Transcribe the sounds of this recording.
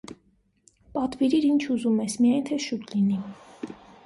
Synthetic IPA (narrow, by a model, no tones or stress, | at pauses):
pɑt̪viɾiɾint͡ʃʰuzumɛsmijɑjnt̪ʰɛʃut̪lini